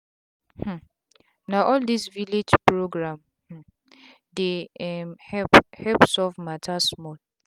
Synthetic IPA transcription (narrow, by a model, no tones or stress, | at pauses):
h̩ | naʔɔldisviled͡ʒpɹoɡɹãm | h̩ | deɛmhɛphɛpsɔvmatʰasmɔt